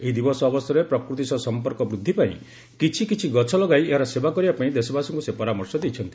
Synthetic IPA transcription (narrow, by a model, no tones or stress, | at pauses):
eɦid̪ibɔsɔːbɔst̪ʰɔɾepɾɔkɾut̪isɔsɔmpɔɾkɔbɾud̪ʱːipaḭ̃ | kit͡ʃʰikit͡ʃʰiɡɔt͡ʃʰɔlɔɡajeaɾɔsebakɔɾibapaĩd̪esɔbasɔŋkusepɔɾamɔɾsɔd̪it͡ʃʰɔnt̪i̥